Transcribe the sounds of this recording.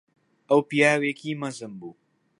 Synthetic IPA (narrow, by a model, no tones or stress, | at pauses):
ʔɐwpijaːweːkiːmɐzɨmbuː